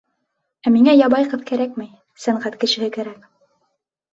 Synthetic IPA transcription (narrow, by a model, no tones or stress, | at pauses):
æmiŋæjɑβɑjqɤðkæɾæk̚mɘj | sæɴʁæt̪kɘ̆ʃɘ̆hɘkæɾæk